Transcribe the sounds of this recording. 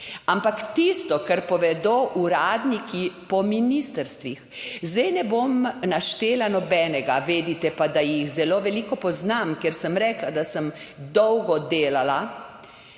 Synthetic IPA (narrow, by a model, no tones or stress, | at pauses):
ampakt̪ist̪ɔkaɾpɔʋɛd̪oʔuɾaːd̪nikipɔminist̪əɾst̪ʋixzd̪ɛjnɛbomnaʃt̪eːlanɔbɛːnɛɡaʋeːd̪it̪ɛpad̪ajixzɛloʋɛlikɔpɔznamkɛɾsəmɾɛklad̪asəmd̪ɔwɡɔd̪eːlala